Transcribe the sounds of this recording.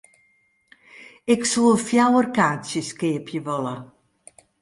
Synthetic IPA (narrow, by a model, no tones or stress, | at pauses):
ɪksulˠəfjawərkaːsjəskeːəpjəvɔlə